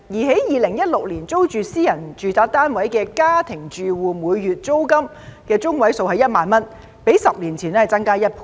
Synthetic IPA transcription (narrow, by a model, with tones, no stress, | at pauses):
jiː˨˩ɦe˨˥jjiː˨lɪ˨˩ŋjɐ˥t̚lʊ˨k̚liː˨˩nt͡so˥wt͡ʃyː˨˧siː˥jɐ˨˩nt͡ʃyː˨˧t͡saː˨˧k̚t̪aː˥nwɐ˨˥jkɛː˧kaː˥t̪ʰɪ˨˩ŋt͡ʃyː˨wuː˨˧muː˨˧jːyː˨t̚t͡so˥wkɐ˥m | kɛː˧t͡sʊ˥ŋwɐ˨˥jso˧wɦɐ˨jɐ˥t̚maː˨nmɐ˥n | pe˨˥jsɐ˨p̚liː˨˩nt͡sʰiː˨˩nɛ˥hɐ˨˩t͡sɐ˥ŋkaː˥jɐ˥t̚pʰu̥˨